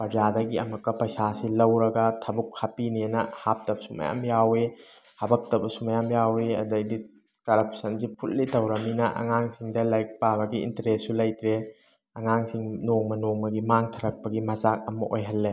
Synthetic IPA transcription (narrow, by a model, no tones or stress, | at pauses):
pɐɾd͡ʒadɐɡiɐ̰mɐkːɐpɐjsasilɐwɾɐɡɐtʰɐbukhapinienɐhap̚tɐbsuma̰ja̰mjawe | hɐbɐk̚tɐbɐsumajamjaweɐ̰dɐjdi | kɐɾɐpʰsɐnzipʰut̚litɐwɾɐminɐʔɐ̰ŋaŋsiŋdɐlajk̚pabɐɡiḭntɐɾesːulɐjtɾe | ɐŋaŋsiŋnoŋmɐnoŋmɐɡimaŋtʰɐɾɐk̚pɐɡimɐzak̚ɐmɐʔojɦɐlːe